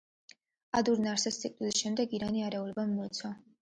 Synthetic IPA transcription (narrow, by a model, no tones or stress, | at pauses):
ad̪uɾnaɾsɛst̪ʰʼikʼt̪ʼwilisʃɛmd̪ɛɡiɾaniaɾɛulɛbamːɔɛt̪sʰa